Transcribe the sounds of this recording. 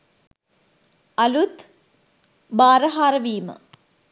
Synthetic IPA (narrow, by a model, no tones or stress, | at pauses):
ɐlut̪ | baːɾəɦaːɾəʋiːmə̰